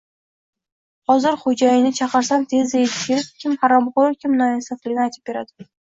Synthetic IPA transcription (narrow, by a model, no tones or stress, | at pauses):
hɒzɪɾχod͡ʒajɪnɪt͡ʃʰɑqɨɾsant̪ʰe̞zeɪkʲʰeɾɪp̚kʲʰɪmhaɾamqokʲɪmnaɪsaflɪɡʲɪnɪajt̪ʰɪp̚be̞ɾad̪ɪ̥